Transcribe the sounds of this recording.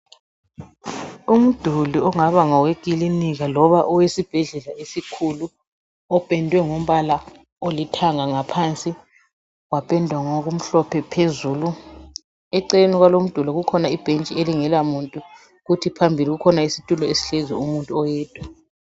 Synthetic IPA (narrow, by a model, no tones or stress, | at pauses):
um̩d̥ʱuliɔŋaβaŋɔweɡ̥ʱiliniɣalɔβaʔɔwesib̥ʱɛɮɛlaesikʰulu | ɔpʼɛndʱwɛŋom̩βala | olitʰaŋaŋapʰant͡sʼi | wapʼɛndʱwaŋɔɣum̩ɬɔpʰɛpʰezuːlu | ɛǀenɔɣwalom̩d̥ʱuliɣukʰɔnaib̥ʱent͡ʃʼieliŋɛlamuntʼu | ɣutʰipʰambʱiliɣukʰɔnaisitʼulɔesi̥ɬɛzɛ̰umuntʼuɔjɛːtʼwa